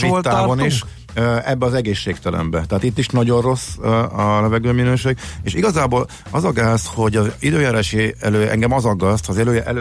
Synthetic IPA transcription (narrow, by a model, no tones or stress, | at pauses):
ʃit̪ːaːbɒniʃ | ɛbːɛɒzɛɡeːʃːeːkt̪ɛlʔɛ̰mbɛt̪ɛɦaːt̪it̪ːiʃnɒɟo̞rro̞sɒlɛvɛɡøːminøːʃeːɡ̚eːʃiɡɒzaːboːl | ɒzɒɡaːsho̞ɟɒzid̪øːjɛɾɛʃeːɛløːʔɛ̰ŋɡɛmɒzɒɡːɒst̪zɛd̪øʔɛl